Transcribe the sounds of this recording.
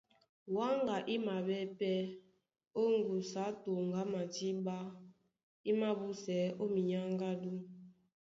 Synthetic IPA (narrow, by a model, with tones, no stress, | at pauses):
wa˦ŋɡa˨ʔi˦ma˨bɛ˦pɛ˦ | o˦ŋ˦ɡu˨sa˨˦to˨ŋ˨ɡa˦ma˨ti˦ba˦ | i˦ma˦bu˦sɛ˨˦o˦mi˨ɲa˦ŋɡa˦du˦